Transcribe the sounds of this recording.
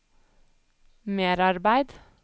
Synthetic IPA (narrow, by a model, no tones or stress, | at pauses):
meːɾɑɾbæɪd̪